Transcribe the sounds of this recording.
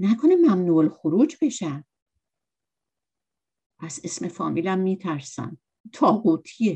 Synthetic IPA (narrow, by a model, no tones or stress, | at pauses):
nækʰonemæmnuːlxoɾuːd͡ʒbe̞ʃæ | ʔæzesme̞fɒ̰ːmʔilæmːiːt̪ʰæɾsæ̰m | t̪ʰɒːhuːt̪ʰie